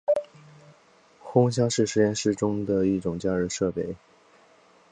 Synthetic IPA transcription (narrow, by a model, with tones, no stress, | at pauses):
xʊ˥ŋɕ̬jɑ˥ʊʂɻ̩˥˩ʂɻ̩˧˥jɛ˥˧nʂɻ̩˥ʈ͡ʂʊ˥ŋd̪ə˨i˥˩ʈ͡ʂʊ˨˩ŋt͡ɕja˥˧ɻ̩˥˧ʂɤ˥˧pe˥˩ɪ